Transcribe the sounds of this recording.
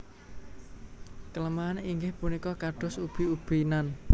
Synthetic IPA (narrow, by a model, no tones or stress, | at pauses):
kələmaːniŋɡɪhpunikɔkaɖ̥ʊ̤sub̥i̤ub̥i̤nan